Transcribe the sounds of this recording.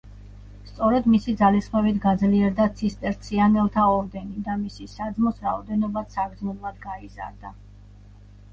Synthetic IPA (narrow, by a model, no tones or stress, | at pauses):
st̪sʼɔɾɛd̪misid̪zalisχmɛvit̪ʰɡad̪zliɛɾd̪at̪sʰist̪ʼɛɾt̪sʰianɛlˠt̪ʰaɔɾd̪ɛnid̪amisisad̪zmɔsɾaɔd̪ɛnɔbat̪saɡd̪znɔblˠad̪ɡaiza̰ɾd̪a